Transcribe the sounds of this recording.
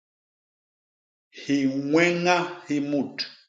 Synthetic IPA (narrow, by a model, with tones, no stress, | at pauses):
hi˨ŋwɛ˦ŋa˦hi˦mu˦˨t